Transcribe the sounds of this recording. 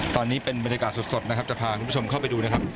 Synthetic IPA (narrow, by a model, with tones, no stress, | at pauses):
t̪ɔː˧nːiː˦˥pe˧nba˧nja˧kaː˨˩t̪̚su˨˩t̪̚so˨˩t̪̚na˦˥kʰa˦˥p̚t͡ɕa˨˩pʰaː˧kʰu˧nm˦u˥t͡ɕʰo˧mkʰa˥˩wpa˧jduː˧na˦˥kʰa˦˥p̚